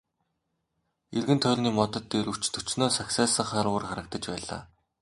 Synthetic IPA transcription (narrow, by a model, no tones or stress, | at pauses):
erɣɘ̆nt̪ʰœɮʲniːmɔt̪ɞ̆t̪ːeɾɵ̥t͡ɕt̪ʰɵ̥t͡ɕnoːsaksesə̆ɴχaːɾuːrχaɾə̆k̚t̪ə̆t͡ɕpæːɮa̰ː